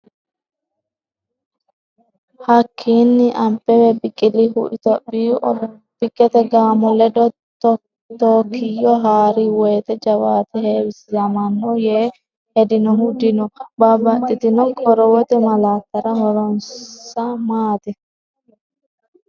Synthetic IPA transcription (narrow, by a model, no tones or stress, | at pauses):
hɐkʰːiːnːɪʔɐmpːɛwɛbɪkʼːɪlihʊ̰ʔɪt̪ɔbi | b̥ɪkʼːɛt̪ɛɡaːmɔlɛd̪ɔ | t̪ | t̪ɔːkʰːɪjɔɦaːɾiwɔjt̪ɛd͡ʒɐwaːt̪ɛheːwɪsɪzɐmɐnːɔjeː | hɛd̪ɪnɔhʊd̪ɪnɔbɐbɐtːɪt̪ɪnɔɡʼɔɾɔwɔt̪ɛmɐlaːkːɐɾɐɦɔɾɔnsɐmaːt̪ɛ